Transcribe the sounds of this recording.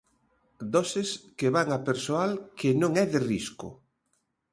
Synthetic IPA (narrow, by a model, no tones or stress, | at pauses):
d̪ɔseskeβaŋapeɾsoalkenõŋɛðɪriskʊ̰